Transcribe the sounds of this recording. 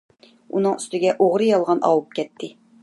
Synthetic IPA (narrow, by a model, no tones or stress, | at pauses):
unɨŋyst̪ɪɡʲɛʔoʁɾɨjɑlˠʁɑnʔɑ̰wup̚kʲɛt̪ʰːɪ